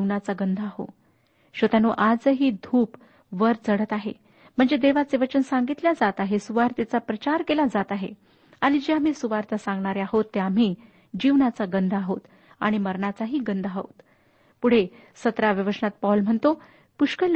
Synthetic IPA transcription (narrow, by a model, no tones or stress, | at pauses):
inat͡saɡənd̪ʱaɦo̰ | ɕʋət̪anoʔad͡zəɦiːd̪ʱuːp | ʋəɾd͡zəɽət̪aɦḛ | m̤əɳd͡zed̪eʋat͡seʋət͡ɕənsãŋɡit̪ljad͡zat̪aɦesuʋaɾt̪at͡sapɾət͡ɕaɾkelad͡zat̪aɦḛ | aɽ̃id͡ʑeam̤iːsuʋaɾt̪asãŋɡɳaɾeaɦot̪ːeam̤iː | d͡ʑiʋnat͡saɡənd̪ʱaɦot̪ | a̰ɽ̃iməɾɳat͡saɦiːɡənd̪ʱaɦo̰t̪ | puɽ̤e | sət̪ɾaʋəʋəʂəɳat̪̚pawlm̤əɳt̪o | puʂkəl